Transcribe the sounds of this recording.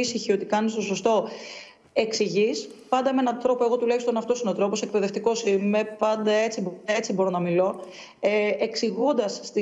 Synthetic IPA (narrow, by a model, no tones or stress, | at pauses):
isiçio̞t̪ikɐnist̪o̞so̞st̪o̞ | e̞ksiʝis | pɐnd̪ɐmee̞nɐnt̪ɾo̞poe̞ɣo̞t̪ulɐçist̪o̞nɐft̪o̞sinot̪ɾo̞pose̞k̚pe̞ðeft̪iko̞simepɐnd̪ɐe̞t͡sib̪ɐet͡sibo̞ɾo̞nɐmilo̞ | eksiɣund̪ɐsːt̪i